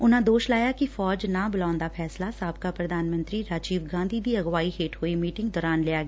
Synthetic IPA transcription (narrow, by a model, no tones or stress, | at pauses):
ʊnãːd̪oːʃlaːjaːkɪfʰɔːd͡ʒnãːbəlaːʊnd̪aːpʰɛːslaːsaːb̚kaːpɾəd̪aːnmə̃nt̪ɾiːɾaːd͡ʒiːʋɡãːnd̪ʱiːd̪iːəɡʋaːiːɦeːʈhoːeːmiːʈɪ̃ŋɡd̪ɔːɾaːnlɪaːɡeː